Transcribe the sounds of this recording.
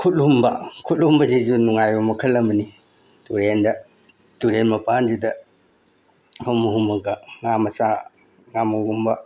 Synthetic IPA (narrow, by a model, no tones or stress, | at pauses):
kʰut̚lumbɐkʰutlumbɐzizunuŋajumɐkʰɐlːɐmɐni | tuɾendɐ | tuɾenmɐpʰand͡ʒidɐ | pʰumuɦumɐɡɐŋamɐsa | ŋamuɡumbɐ